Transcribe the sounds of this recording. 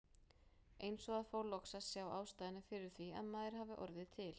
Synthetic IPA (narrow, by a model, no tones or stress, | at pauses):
eːjnsɔɣaðfoːwlɔksaðsjaːwa̰ːwst̪ajðɪnɪfɪɾɪɾ̥θvia̰ðmaːðɪɾ̥ɦaːvɪʔɔ̰ɾðɪt̪ʰɪl̥